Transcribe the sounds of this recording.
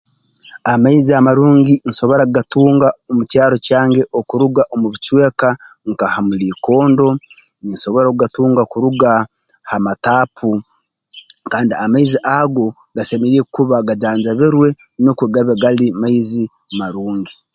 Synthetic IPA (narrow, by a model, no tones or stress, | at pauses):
amaiziamaɾuːŋɡin̩so̞βo̞ɾaɡatuːŋɡaomucaːɾo̞caːŋɡe̞ʔokuɾuɡaʔomuβit͡ʃwe̞ːka | ŋkahamuliko̞ːndo̞ | ninso̞βo̞ɾauɡatuːŋɡakuɾuɡa | hamataːpʰu | kaːndiamaiziʔaɡo̞ | ɡasemeɾijekuβaɡaɟaːɲzaβiɾwe̞ | nokweɡaβeɡalimaizi | maɾuːŋɡi